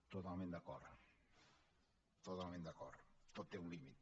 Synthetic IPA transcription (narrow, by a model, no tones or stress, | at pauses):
t̪ot̪almẽnd̪akɔɾð̰ | t̪ot̪alˠmẽnd̪akɔɾðt̪ot̪ːeũlimit̪